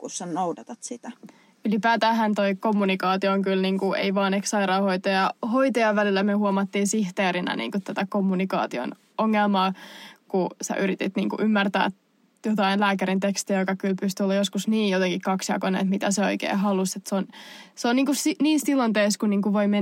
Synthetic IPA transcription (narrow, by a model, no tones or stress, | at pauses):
kusːɑnoudɑt̪ɑt̪sit̪æ | ylipæːt̪æːɦænt̪oikomːunikɑːt̪iooŋkylniːŋkuḛiʋɑːneksɑiɾɑːhoit̪ojɑhoit̪ojɑʋælilːæmyøhuomɑt̪ːiːnsiht̪eːɾinɑ̰nḭːŋkut̪ːæt̪ækomːunikɑ̰ːt̪io̰n | oŋːelmɑːkusæ̰ʔyɾit̪it̪nḭːŋkṵʔymːært̪æ̰ː | jot̪ɑinlæːkæɾint̪ekst̪iæjokɑkylpyst̪yolːɑjoskusniːjot̪eŋkikkɑksjɑ̰konḛḛt̪mit̪æseo̰ikḛːɦɑluset̪seonseoniːŋkussiniːsilont̪eːskunniːŋkuʋoime